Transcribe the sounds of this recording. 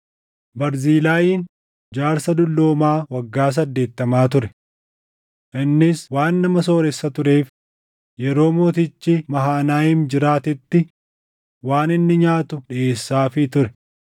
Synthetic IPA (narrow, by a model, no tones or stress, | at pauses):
bɐɾziːlaːjiːn | d͡ʒaːɾsɐd̪ʊlːoːmaːwɐɡːaːs̬ɐd̪ːe̞ːt̪ːɐmaːt̪̬ʊɾɛ | ʔɪnːɪswaːnːɐmɐso̞ːɾɛsːɐt̪ʊɾe̞ːf | jɛɾo̞ːmoːt̪ɪt͡ʃːɪmɐɦaːnaːjimd͡ʒɪɾaːt̪ɪt̪ːɪ | waːnɪnːɪɲaːt̪ʊᶑɪʔe̞ːsːaːfɪt̪ʊɾɛ